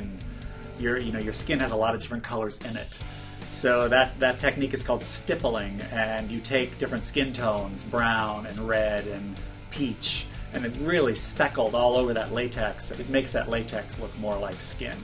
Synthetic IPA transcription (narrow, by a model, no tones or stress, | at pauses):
n | jə˞jɨnoʊjə˞skɪ̃nɨzəlɔɾʌvdɪfɹɨ̃nkʰʌlˠə˞zɪ̃nɪ̰t | soʊðɨt̪̚ðɨtʰɛk̚nikɨz̥kʰɔlˠd̥stɪpl̩ˠɪ̃ŋɨ̃njɨtʰeɪk̚d̥ɪfɹɨ̃ntskɪ̃ntʰõʊ̃nzbɹãʊ̃nɨ̃nɹɛɾɨ̃n | pʰit͡ʃʔɨ̃nɨt̚ɹɪlˠispɛkl̩ˠdɔlˠoʊvə˞ðɨʔˡleɪtʰɛksɨt̚meɪksðɨ̰ʔˡleɪtʰɛksˡlʊk̚mɔɹlaɪkskɪ̰̃n